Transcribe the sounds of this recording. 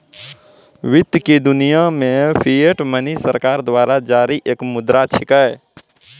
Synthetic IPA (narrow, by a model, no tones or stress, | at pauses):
ʋid̪jkid̪unijamepʰieʈmənisəɾkaɾd̪waɾad͡ʒaɾiʔeːkmʊd̪ɾat͡ʃʰikəe